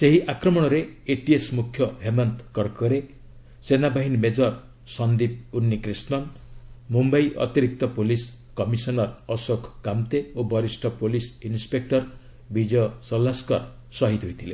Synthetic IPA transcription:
seɦiʔakɾɔmɔɽ̃ɔɾeːʈiesmukʰːjɔɦemant̪kɔɾkɔɾe | senabaɦinmed͡ʒɔɾ | sɔnd̪ip̚unːikɾisnɔnmumbajʔɔ̰t̪iɾik̚t̪ɔpolis | kɔmisɔnɔɾɔsɔkʰkamt̪eobɔɾisʈʰɔpolisinspek̚ʈɔɾ | bid͡ʒɔsɔlːaskɔɾ | sɔɦit̪ɦojt̪ʰilḛ

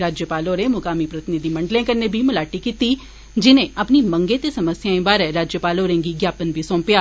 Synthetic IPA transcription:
ɾaːd͡ʒjəpaːloːɾẽmʊkaːmipɾɐt̪ɪnɪd̪ʱimɐ̃ɳɖlẽkɐɾnebʱimʊlaːʈikiːt̪i | d͡ʒɪnẽɐpnimɐ̃ŋɡet̪esɐməsjãĩbaːɾɛɾaːd͡ʒjəpaːloːɾẽːŋɡiɡjaːpənbʱisõːmpjaː

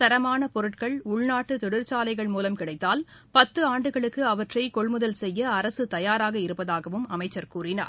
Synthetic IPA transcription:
t̪ɐɾɐmaːnɐpɔɾɯʈkɐɭʊɭnaːʈːɯt̪ɔɽɪɾt͡ʃaːlɐɪɣɐɭmuːlɐmkɪɽɐɪt̪ːaːl | pɐt̪ːɯaːɳɖɯɣɐɭɯkːɯɐʋɐʈrɐɪkɔɭmɯðɐlsɛjːɐːɾɐsɯt̪ɐjaːɾaːɣɐɪɾɯpːɐðaːɣɐʋɯmɐmɐɪt͡ʃːɐɾkuːrɪna̰ːɾ

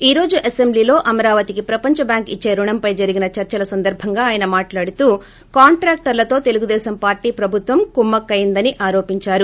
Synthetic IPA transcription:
iːɾo̞ːd͡ʒuʔɐsembliːlo̞ːʔɐmɐɾaːʋɐt̪ikipɾɐpɐɲt͡ʃɐbjaːŋkit͡ʃːe̞ːɾuɳɐmpɐjd͡ʒɐɾiɡinɐt͡ʃɐɾt͡ʃɐlɐsɐnd̪ɐɾbʱɐŋɡaːjɐnɐmaːʈlaːɽut̪uː | kaːɳʈɾaːk̚ʈɐɾlɐt̪o̞ːt̪e̞luɡud̪ɛːsɐmpaːɾʈiːpɾɐbʱut̪ʋɐmkumːɐkːɐjind̪ɐniʔaːɾo̞ːpiɲt͡ʃaːɾu

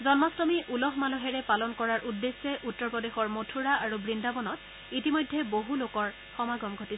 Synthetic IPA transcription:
zɔnmastɔmiʔulɔɦmalɔɦɛɹɛpalɔnkɔɹaɹʔudːesɛʔutːɔɹpɔdexɔɹmotʰuɹaaɹubɹindabɔnɔt̚ | itimɔjdʱːɛboɦulokɔɹ | xɔmaɡɔmɡʱotis

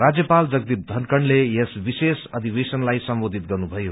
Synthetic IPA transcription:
ɾad͡zjʌpald͡zʌɡd̪ip̚d̪ʱʌnkʌɳɖlejesbisesʌd̪ʱibesʌnlajsʌmbod̪ʱit̪̚ɡʌrnubʱʌjo

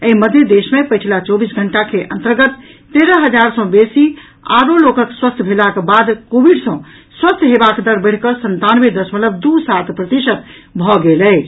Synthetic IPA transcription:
eiməd̪ʱjed̪esmepəjt͡ʃʰlat͡ʃɔbisɡʱəɳʈakʰeʔənt̪əɾɡət̪ː | eɾəɦəd͡ʒaɾsə̃besi | a̰ɾolokəkswəst̪ʰbʱelakbad̪kobiɖsə̃ | swəst̪ʰɦebakd̪əɾbəɽ̤kəsənt̪anwed̪əsmələb̚d̪usat̪ʰpɾət̪isət̪ | bʱɔɡelɛt͡ʃ

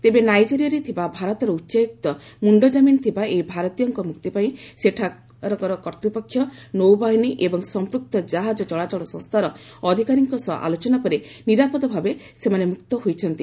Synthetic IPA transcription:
t̪ebenajd͡ʒiɾijaɾet̪ʰibabʱaɾɔt̪ɔɾɔutːʃajuk̚t̪ɔmuɳɖɔd͡ʒaminɔt̪ʰibaejbʱaɾɔt̪ijɔŋkɔmukt̪ipaĩseʈʰa | ɾɔkɔɾɔkɔɾt̪upɔkʰːjɔnowbaɦiniʔebɔŋsɔmpɾuk̚t̪ɔd͡ʒaɦad͡ʒɔt͡ʃɔɭat͡ʃɔɭɔsɔ̰̃ŋst̪ʰaɾɔ | ɔd̪ʱikaɾiŋkɔsɔʔa̰lot͡ʃɔnapɔɾeniɾapɔd̪ɔbʱabe | semanemukt̪ɔɦojt͡ʃʰɔnt̪i

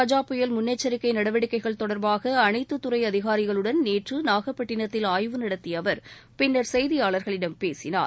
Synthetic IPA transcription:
kɐd͡ʒaːpʊjɐlmʊnːɐt͡ʃːɐɾɪkːɐɪnɐɽɐʋɐɽɪkːɐɪɣɐɭt̪ɔɽɐɾbaːɣɐːnɐɪt̪ːɯt̪ːɯrɐɪɐðɪɣaːɾɪɣɐɭɯɽɐnneːʈrɯnaːɣɐpːɐʈːɪɳɐt̪ːɪlaːjʋɯnɐɽɐt̪ːɪjɐʋɐɾ | pɪnːɐɾsɛjðɪjaːɭɐɾɣɐɭɪɽɐmpeːsɪna̰ːɾ

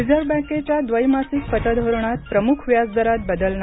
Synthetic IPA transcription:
id͡zəɾbə̃ket͡ɕjad̪ʋəjmasiːkfət̪əd̪ʱoɾɳ̃at̪̚pɾəmukʰʋjad͡zd̪əɾat̪̚bəd̪əlna

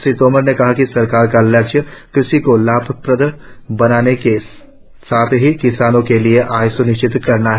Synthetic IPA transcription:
sɾiːt̪oːməɾnekɐɦakisɐɾkaːɾkalɛt͡ʃəkɪsikolaːbʱpɾəd̪əbɐnaːneke | saːt̪ʰɦikɪsaːnõkelieʔaːjsʊnɪʃt͡ʃɪt̪kɐɾnaɦɛ

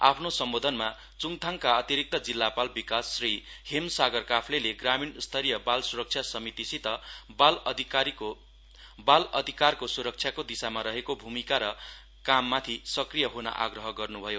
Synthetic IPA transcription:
a̰pʰnosʌmbod̪ʱʌnma | t͡suŋt̪ʰaŋkaʌt̪iɾik̚t̪ʌd͡zilːapalbikasːrihemsaɡʌrkapʰleleɡraminst̪ʰʌɾijʌbalsuɾʌk̚t͡sʰjasʌmit̪isit̪ʌbald̪ʱikio | balʌd̪ʱikarkosuɾʌk̚t͡sʰjakod̪isamaɾʌɦekobʱumikaɾʌ | kamːat̪ʰisʌkrijʌɦonʌ̰ʔa̰ɡrʌɦʌɡʌrnubʱʌjo

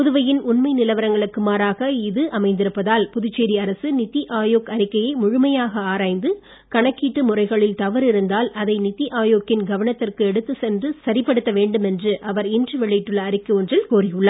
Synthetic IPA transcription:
pʊðɯʋɐjɪnʊnmɐɪnɪlɐʋɐɾɐŋɡɐɭɯkːɯmaːɾaːɣɐɪðɯʔɐmɐɪnd̪ɪɾɯpːɐðaːlpʊðʊt͡ʃːeːɾiɐɾɐsɯnɪt̪ːiʔaːjoːkɐɾɪkːɐjɐɪmʊɻʊmɐjaːɣɐaːɾaːjnd̪ɯ | kɐɳɐkːiːʈːɯmʊrɐɪɣɐɭɪlt̪ɐʋɐɾɪɾɯnd̪aːlɐðɐɪnɪt̪ːiʔaːjoːkɪnɡɐʋɐɳɐt̪ːɪrkɯɛɽɯt̪ːɯsɛndɯsɐɾɪpːɐɽɯt̪ːɐʋeːɳɖɯmɛndrɯʔɐʋɐɾɪndrɯʋɛɭːɐɪʈːɯɭːɐːɾɪkːɯɔndrɪlkoːrɪjɯɭːɐ

